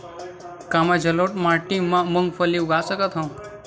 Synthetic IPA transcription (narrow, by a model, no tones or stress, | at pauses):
kamad͡ʒəloʈmaʈĩmːãməŋɡfəlːiuɡasəkət̪ɦə̃